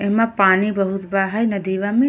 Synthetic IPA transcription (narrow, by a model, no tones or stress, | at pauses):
eɦmãpaːnibɐɦut̪baːɦajnɐd̪iːʋaːmĩ